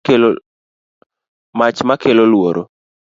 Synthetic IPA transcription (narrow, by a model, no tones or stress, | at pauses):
el | mat͡ʃmakelolwoɾʔo̰